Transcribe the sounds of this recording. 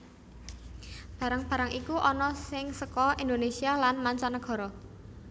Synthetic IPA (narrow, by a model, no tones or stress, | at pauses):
b̥ä̤ɾaŋb̥a̤ɾaŋikuʔɔnɔsɪŋsəkɔind̪onesialanmaɲt͡ʃanəɡ̥ɔ̤ɾɔ